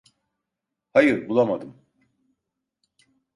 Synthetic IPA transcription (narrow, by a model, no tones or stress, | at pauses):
hajɯɾbulˠamad̪ɯm